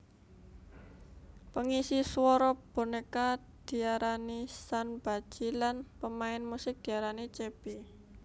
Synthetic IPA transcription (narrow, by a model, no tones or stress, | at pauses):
pəŋisiswɔɾɔb̥o̤neka | d̪̥i̤aɾanisanb̥a̤d̥ʒ̥ilanpəmaɪnmusɪk̚d̪̥i̤aɾanit͡ʃeb̥i